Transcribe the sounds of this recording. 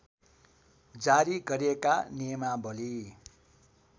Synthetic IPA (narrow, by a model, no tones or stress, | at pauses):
d͡zaɾiɡʌɾekanemabʌli